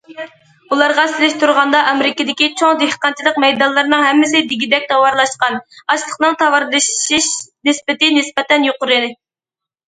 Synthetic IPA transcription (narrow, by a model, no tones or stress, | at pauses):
ulˠɑɾʁɑsɪlɪʃt̪uɾʁɑnd̪ɑʔɑmɾɪkʲɪd̪ɪkʲit͡ʃʰoŋd̪ehqɑnt͡ʃʰilˠəq̚mɛjd̪ɑnlˠɨɾnɨŋɦɛmːɪsɪd̪ɪɡʲid̪ɛk̚ʲt̪ʰɑwɑɾlˠɑʃqɑnɑʃlˠəqnɨŋt̪ʰɑwɑɾlˠɨʃʃiʃnɪspɪt̪ɪnɪspɛt̪ɛnjoqʊɾɨd̪ɪ